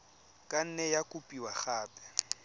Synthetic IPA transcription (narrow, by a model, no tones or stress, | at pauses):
kʼan̩nɛjakʼupʼiwaχaːpʼɛ̥